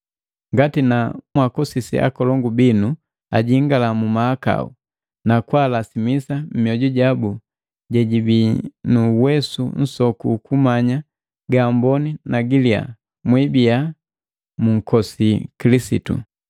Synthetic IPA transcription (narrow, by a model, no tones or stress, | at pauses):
ŋɡatinamwakɔsisḭʔa̰kɔlɔŋɡubinu | a̰ɟiŋɡalamumaaka̰ṵ | nakwaːlasimisam̩miɔɟɔɟabu | ɟɛɟibinuwɛsun̩sɔkṵkumaɲa | ɡambɔninaɡilia̰ | mwibija | muŋ̩kɔsikilisḭtṵ